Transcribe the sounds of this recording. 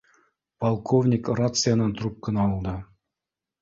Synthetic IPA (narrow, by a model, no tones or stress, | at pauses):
pɐlˠkʰovnʲɪkrat̪sɨjanɑnt̪rup̚kənɑːlˠd̪ɤ